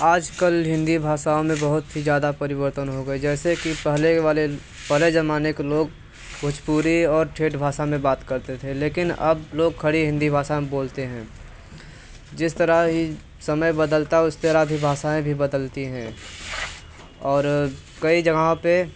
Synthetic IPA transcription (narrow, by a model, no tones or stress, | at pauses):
aːd͡ʒkəlɦɪ̃nd̪ibʱaːʃaːõmẽbɐɦʊt̪ɦid͡ʒjaːd̪apɐɾɪbəɾt̪ənɦoɡəid͡ʒɛːsekipɛɦleʋaːle | pəɦled͡ʒɐmaːnekeloːɡ | bʱʊt͡ʃpuːɾiɔːɾʈʰeːʈbʱaːʃamẽbaːt̪kɐɾt̪et̪ʰeleːkɪnɐ̰bloːɡ̚kʰːɐɽiɦɪ̃nd̪ibʱaːsaẽboːlt̪eɦɛ̃ː | d͡ʒɪst̪əɾəɦɦi | sɐməjbəd̪əlt̪aɛʊst̪əɾaɦbʱibʱaːʃaẽbʱibɐd̪əlt̪iɦɛ̃ː | ɔːɾ | kɐid͡ʒɐɡaɦõpe